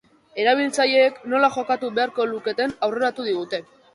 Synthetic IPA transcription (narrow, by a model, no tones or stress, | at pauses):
e̞ɾaβ̞ilt͡saʎe̞ːkno̞laʝo̞kat̪uβe̞aɾko̞luke̞t̪e̞nawre̞ɾat̪uðiɣ̞ut̪e̞